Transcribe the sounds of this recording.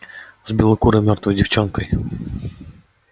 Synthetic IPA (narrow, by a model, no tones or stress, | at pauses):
zbʲilˠɔkuɾɪmʲɔrt̪ʋɔjdʲiwt͡ʃɔnkɔj